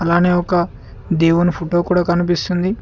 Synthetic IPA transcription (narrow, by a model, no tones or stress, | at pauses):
ɐlaːneːɔkɐ | d̪eːwunupʰoʈoːkuːɽaːkɐnupist̪und̪i